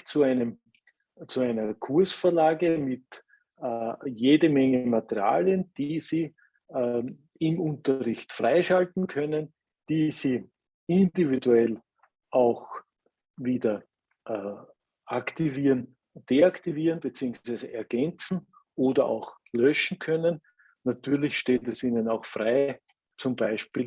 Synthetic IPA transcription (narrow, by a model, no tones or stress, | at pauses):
t͡suæɪnəm | t͡suæɪnɐkʰuɐsfəɐlaːɡəmɪtː | jeːdəmɛŋəmat̪əʁia̰ːljənd̥iːziː | ɪmʊ̃ntɐʁɪçtfʁaɪʃaltn̩kʰœnən | d̥iːziː | ɪndividuɛl | ʔaʊx | viːdɐ | ʔː | ʔakt̪iviːʁən | d̥eaktiviːʁənb̥ət͡siːʊŋsv̥æɪzəʔɛɐɡ̥ɛnt͡sn̩ | ʔoːdɐʔa̰ʊx | lœʃn̩kʰœnən | nat̪yːɐlɪçʃteːtɛsiːnənaʊxfʁaɪ | t͡sʊmbaɪʃpiːl